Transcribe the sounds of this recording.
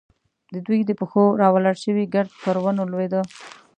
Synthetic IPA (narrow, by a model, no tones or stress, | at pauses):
d̪əd̪wujd̪əpəxoɾɑwalaɽʃəwiɡaɾd̪pəɾwanolwed̪ə